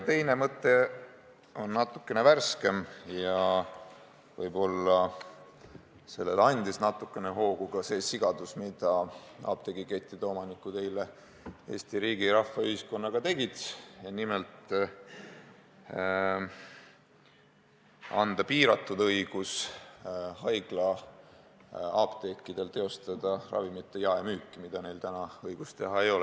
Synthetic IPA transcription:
t̪e̞jne̞mɤt̪ːˑe̞ | o̞nːɑt̪ːukːe̞neværske̞mjɑ | vɤ̰jbo̞lːɑ | se̞lːe̞lɑnʲd̪isnɑt̪ːˑukːˑe̞neɦo̞ːɡ̥uɡ̥ɑse̞ːsiɡ̥ɑd̪̥usmid̪̥ɑɑ̰ːb̥̚t̪e̞ɡike̞t̪ʲːˑit̪o̞ːmɑnikːut̪e̞jle | e̞ːst̪iɾiːɡiɾɑhːɑyhisko̞nːɑɡ̥ɑt̪e̞ɡit̪jɑnimelt̪ | ɑ̰nd̪̥ɑpiːɾɑt̪ːˑud̪ɤjɡ̥us | hɑjɡ̥lɑ | ɑːb̥t̪e̞kːˑid̪̥e̞lt̪e̞o̞st̪ɑd̪̥ɑrɑ̰vimit̪ːˑejɑemyːkːˑimid̪̥ɑne̞jlt̪ænɑɤjɡ̥ust̪e̞ɦɑe̞jo̞lɛ

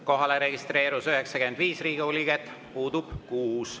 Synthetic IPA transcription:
ko̞ɦɑleɾe̞ɡist̪re̞ːɾusyɦeksɑkyend̪viːsriːɡioliɡ̥et̪ːˑ | puːd̪ub̥kuːs

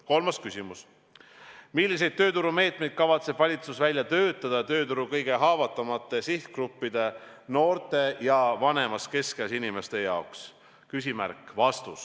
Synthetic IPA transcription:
ko̞lmɑskysʲimus | milʲːis̬e̞jd̪̚t̪øːt̪uɾume̞ːt̪me̞jd̪̚kɑvɑt̪se̞b̥vɑlʲit̪susvælʲjɑt̪ø̞ːt̪ˑːɑd̪̥ɑt̪ø̞ːt̪uɾukɤjɡ̥e̞ɦɑːvɑt̪ːˑɑmɑt̪ːˑe̞siht̪krupːid̪̥e̞ | no̞ːrt̪e̞jɑvɑne̞mɑske̞skɑsinime̞st̪e̞jɑoks | kysʲimæɾkˑvɑst̪us

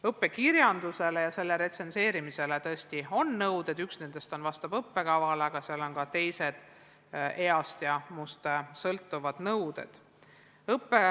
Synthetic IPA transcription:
ɤpːe̞kiɾjɑnd̪̥use̞lejɑse̞lːe̞ɾe̞t̪se̞nse̞ːɾimise̞let̪ɤesʲt̪io̞nːɤwd̪̥e̞d̪̥yksne̞nd̪̥e̞st̪o̞nvɑst̪ɑbɤpːe̞kɑvɑleɑɡ̥ɑseɑlo̞nkɑt̪e̞jse̞d̪̥ | e̞ɑst̪jɑmust̪esɤlt̪ːuvɑd̪̥nɤwd̪e̞̰d̪̥ | ɤpːe̞

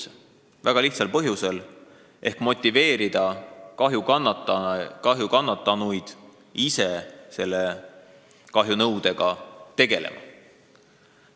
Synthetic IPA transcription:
væɡ̥ɑliht̪sɑlpɤɦjuse̞l | ʔe̞hkmo̞t̪ʲˑːive̞ːɾid̪̥ɑkɑɦjukɑnːt̪ːkɑɦjukɑnːɑt̪ːˑɑnujd̪̥ | ise̞se̞lːe | kɑɦjunɤwd̪e̞ɡ̥ɑt̪e̞ɡ̥e̞̰lḛmʔɑ̰

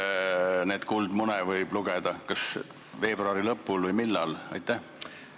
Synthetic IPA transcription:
ne̞ːd̪̥kuld̪munɛvɤjb̥luɡ̥ɛd̪̥ɑkɑs | ve̞ːb̥roɑɾilɤpːˑulvɤjmilːɑlɑjt̪ˑːæh

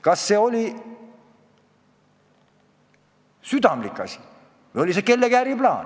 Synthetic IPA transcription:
kɑsːe̞ːo̞lʲi | syd̪̥ɑmlikːˑɑ̰sʲi̥ | vejo̞lʲiseke̞lːekæːɾiplɑːn

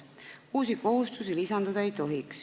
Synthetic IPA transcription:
uːsiko̞ɦust̪usilisɑnd̪ud̪ɑe̞jt̪o̞ɦiks

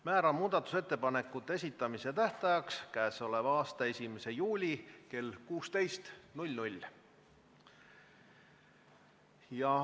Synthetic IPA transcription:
mæːɾɑmuːd̪ɑt̪ːˑu̥se̞t̪ːe̞pɑne̞kːˑut̪ːˑee̞s̬ʲit̪ːˑɑmise̞t̪æht̪ɑjɑkskæeso̞le̞vɑːst̪ɑe̞sʲimese̞juːlʲike̞lkuːst̪e̞jst̪nulʲnulʲ | jɑ

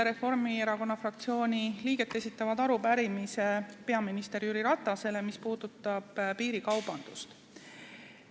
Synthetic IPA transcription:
eɾe̞fo̞rmie̞ɾɑko̞nːɑfrɑkt̪sio̞ːnʲiliːɡ̥e̞t̪ːˑe̞sit̪ːˑɑvɑd̪ɑɾubæɾimise̞pe̞ɑminist̪e̞ɾjyɾiɾɑt̪ˑːɑse̞le̞mispuːd̪̥ut̪ːˑɑb̥piːɾikɑwb̥ɑnd̪̥ust̪

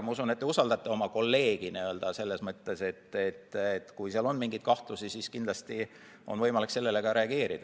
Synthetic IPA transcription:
mɑusunet̪ːeusɑld̪ɑt̪ːˑeo̞mɑko̞lːe̞ːɡ̥iniøld̪̥ɑse̞lːe̞smɤt̪ˑːe̞se̞t̪ːet̪ːet̪kujseɑlo̞nmiŋɡ̥ijt̪̚kɑht̪lusisiskind̪lɑst̪i | o̞nvɤ̞jmɑlikse̞lːele̞ɡ̥ɑɾe̞ɑɡe̞ːɾid̪̥ɑ

